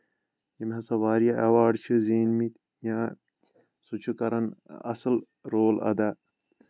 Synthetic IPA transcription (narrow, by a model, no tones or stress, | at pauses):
jimɦɐsɐʋaːɾijaʔɐwaːɖt͡ʃʰɨzeːnmit̪ | jãː | sut͡ʃʰukɐɾɐnɐ̰sɨl | ɾoːlɐ̰d̪aː